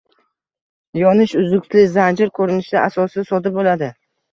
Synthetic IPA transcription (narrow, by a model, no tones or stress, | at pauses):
jɒnɪʃʊzʊkʲt̪ʰlɪzand͡ʒɪɾkʰɵɾɪnɪʃd̪aʔasɒsɪsɒd̪ɪbolad̪ɪ